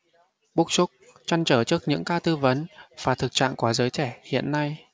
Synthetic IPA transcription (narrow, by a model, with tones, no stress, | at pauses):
ɓu˦˥k̚su˦˥k͡p̚ | t͡ɕa˧nt͡ɕəː˧˩t͡ɕɨ˦˥ək̚ɲɨ̰˧˥ŋkaː˧t̪ɨ˧və˨˦nv̥aː˨˩t̪ʰɨ˨˩k̚t͡ɕa̰ː˧˨ŋkwaː˨˦zəː˨˦jt͡ɕɛ˧˩hḭ˧˨ənːa˧j